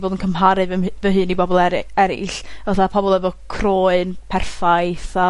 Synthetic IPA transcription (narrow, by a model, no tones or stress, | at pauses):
voːdənkʰəmɦaɾɨvvəɦɨːnibɔbɔlˠɛɛɾɪ̰ɬvaθapʰɔbɔlˠɛvɔkʰroːɨnpʰɛrfajθa